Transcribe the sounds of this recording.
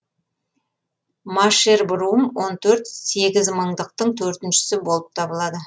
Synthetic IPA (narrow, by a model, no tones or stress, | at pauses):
maʃeɾbɾumwo̞nt̪ʰɵɾt̪se̞ɡʲɪzməɴd̪əq̚t̪əɴt̪ʰɵɾt̪ɪnʃɪ̥sɪbo̞lˠəp̚t̪ʰɑbəlˠɑd̪ə